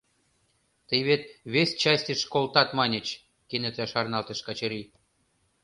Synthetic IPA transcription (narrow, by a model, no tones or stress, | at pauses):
t̪əjβet̪̚βesʲt͡ɕɑsʲtʲəʃkolt̪ɑt̪mɑnʲə̆t͡ɕ | kenĕt̪æʃɑrnɑlt̪ə̆ʃkɑt͡ɕɤ̆ɾi